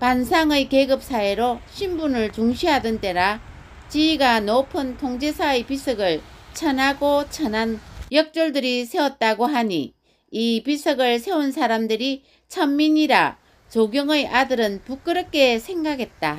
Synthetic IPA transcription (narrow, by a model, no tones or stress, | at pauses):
pansʰaŋɯjkeɡɯp̚s͈aeɾoɕʰimbunɯɭt͡ɕuŋɕʰiɦadɯnt͈e̞ɾa | t͡ɕiiɡanopʰɯntʰoŋd͡ʑesʰaɯjpis͈ʰɯɡɯɭt͡ɕʰʌnaɡot͡ɕʰʌnanjʌk̚t͡ɕ͈oɭdɯɾisʰe̞wʌt̚t͈aɡoɦaɲḭː | pisʰɯɡɯɭsʰe̞unsʰaɾamdɯɾi | t͡ɕʰʌmːiɲiɾa̰ | t͡ɕoɡjʌŋɯjʔadɯɾɯnpuk͈ɯɾʌk͈e̞sʰe̞ŋɡaɡe̞t̚t͈a